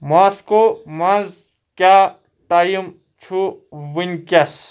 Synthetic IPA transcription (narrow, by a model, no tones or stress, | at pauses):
maskomɐ̃z | kʲaː | ʈajum | t͡ʃʰuʋinʲkʲɐs